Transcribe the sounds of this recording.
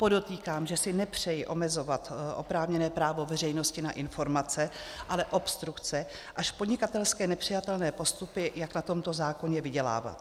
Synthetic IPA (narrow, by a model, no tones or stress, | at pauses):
po̞do̞t̪iːkaːmʒɛsɪnɛpr̝̥ɛjɪʔo̞mɛzo̞vat̪ʔo̞̰pɾaːvɲɛnɛːpɾaːvo̞vɛr̝ɛjno̞scɪnaʔɪnfo̞ɾmat͡sɛʔalɛʔo̞pst̪ɾukt͡sɛ | ʔaʃpo̞dɲɪkat̪ɛlskɛːnɛpr̝̥ɪjat̪ɛlnɛːpo̞st̪upɪjaknat̪o̞mt̪o̞zaːko̞ɲɛvɪɟɛla̰ːva̰t̪